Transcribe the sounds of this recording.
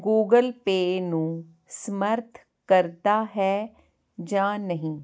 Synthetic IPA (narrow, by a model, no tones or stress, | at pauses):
ɡuːɡəlpeːnũː | səməɾt̪ʰ | kəɾt̪aːɦɛː | d͡ʒãːnəɦĩː